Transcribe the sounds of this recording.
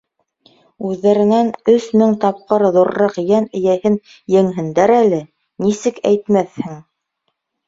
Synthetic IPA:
ʉðːæɾɘ̆nænɵsmɘŋt̪ɑp̚qɤɾðuɾːɑqjænɘ̆jæhɘn | jɘ̆ŋɦɘ̆nd̪æɾælɘ | nisɘkæjt̪mæθhɘŋ

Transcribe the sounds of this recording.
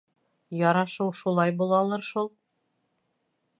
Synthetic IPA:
jɒɾɑʃɤwʃulˠɑjbulˠɑlˠɤɾʃulˠ

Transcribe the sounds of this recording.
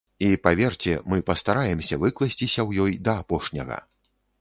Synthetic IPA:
ipavʲɛrt͡sʲɛmɨpɐst̪aɾajɛmsʲɐvɨklˠɐsʲt͡sʲisʲɐwjɔjd̪ɐːpɔʂnʲɐ̰ɣɐ̰

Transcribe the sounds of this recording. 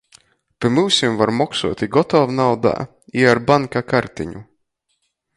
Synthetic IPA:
pʲamɨwsʲimvaɾmɔksuɔt̪ʲiɡɔt̪ɔvnawd̪a̰ː | iaɾbaŋkakaɾt̪iɲu

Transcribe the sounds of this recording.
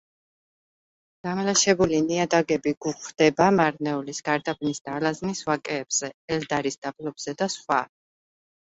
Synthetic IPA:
ɡ̥amlaʃɛbuliniad̪aɡɛbiɡ̥uχʰd̪̥ɛbamaɾnɛulisɡ̥aɾd̪abnisd̪alaznisvakʼɛːb̥z̥ɛɛld̪aɾisd̪̥aplɔb̥z̥ɛd̪asχwa̰

